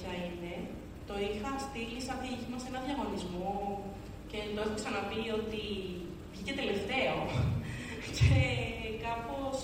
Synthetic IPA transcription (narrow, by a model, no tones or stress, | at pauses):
ɐine̞ | t̪o̞ixɐst̪ilisɐt̪içimɐse̞nɐ̃nðʝɐɣo̞nizmo̞ | ceːnd̪osksɐnɐpio̞t̪i | vʝice̞t̪e̞le̞ft̪e̞o̞ | cekɐpo̞s